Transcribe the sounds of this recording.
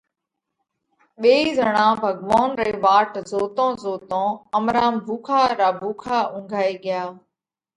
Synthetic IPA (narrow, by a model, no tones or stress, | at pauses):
ɓeːizəɽ̃ãːbʱəɡʋaːnɾeːʋaːʈzoːt̪õːzoːt̪õːəmɾaːmbʱuːkʰaːɾaːbʱuːkʰaːʊ̃ːŋɡʱaːiːɠɪjaː